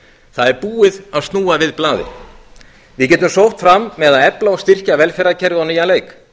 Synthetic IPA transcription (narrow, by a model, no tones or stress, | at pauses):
θaðɛɾpuːɪðaðst̪nuːavɪðplaːðɪ̰ | vɪðc̬ɛːt̪ːʏmsowht̪fɾamːɛðaðɛplaɔɣst̪ɪr̥caːvɛlfɛɾacʰɛɾðɪaniːjanleːjk